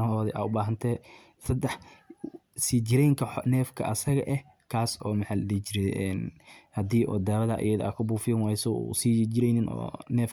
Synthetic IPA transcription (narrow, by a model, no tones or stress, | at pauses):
ɦhɔːðɛʔa̰ːʊbaːɦɐnt̪ʰɛː | sɐd̪ɛħ | siːd͡ʒɪɾɛjŋkʰɐnɛːfkʰɐʔɐsɐɣɐ̰ʔɛh | kʰaːsɔːmɐħaldiːt͡ʃɪɾɛʔɛːnhɐd̪iːʔɔ̰ːd̪aːwɐðɐʔɐ̰jɐðɐa̰kʰɐbuːfɪjɔnwaːjsɔ̰siːd͡ʒɪɾɛjnɪnʔɔ̰ːnɛːf